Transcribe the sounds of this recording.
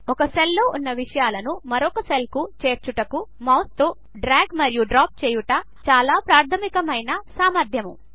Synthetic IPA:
ɔkɐselːo̞ːʔunːɐʋiʂɐjaːlɐnumɐɾɔkɐse̞lkut͡ʃe̞ːɾt͡ʃuʈɐkumɐwst̪oː | ɖɾaːɡmɐɾjuɖɾaːp̚t͡ʃeːjuʈɐː | t͡ʃaːlaːpɾaːɾt̪ʰɐmikɐmɐjnɐsaːmɐɾd̪ʱjɐmṵ

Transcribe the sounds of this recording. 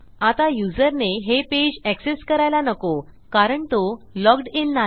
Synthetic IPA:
at̪ajud͡zəɾneɦeped͡ʑækseskəɾajlanəko | kaɾəɳt̪olɔɡɖinːa

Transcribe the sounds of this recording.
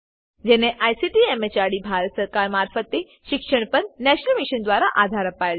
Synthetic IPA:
d͡ʑɛneʔajsiʈiemet͡ɕaɽibʱaɾət̪səɾkaɾmaɾfət̪i | ɕikʂəɳ̃pənnɛɕnəlmiɕənd̪ʋaɾaʔad̪ʱaɾəpajl

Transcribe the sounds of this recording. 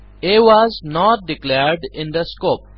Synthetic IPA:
ɪʋɔznɔʈ̚ɖɪkleɾɖɪ̃nd̪əskoːp̚

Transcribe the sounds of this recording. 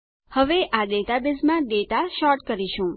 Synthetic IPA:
həʋeʔad̪et̪abezmãd̪et̪aʃɔɾʈkəɾiʃũ

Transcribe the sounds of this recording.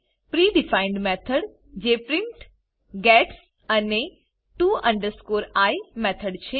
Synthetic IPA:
pɾiɖifaɪɳɖmɛt̪ʰəɽ | d͡ʒepɾɪɳʈ | ɡɛʈs | əne | ʈuə̃ɳɖəɾskoɾajmɛt̪ʰəɖt͡ʃʰe

